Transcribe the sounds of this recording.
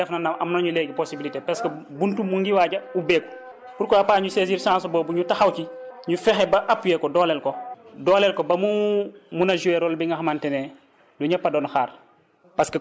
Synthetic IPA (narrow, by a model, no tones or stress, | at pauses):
ɛfnɐnɐɐmnoɲulɛɡiposibilitepɐskɐbuntumuŋɡiwaːɟɐubɛːk | buɾkɔapaːɲuseziːɾsãːns̬ɔbɔːbuɲutɐxɐwciɲufɛxɛbɐʔapːujɛkɔdɔːlɛːlkɔdɔːlɛlkɔbɐmumunɐʒuweɾɔːlbiŋɡɐxmantɛnɛ | duɲɐpːɐdɔnxaːr | pɐskɐ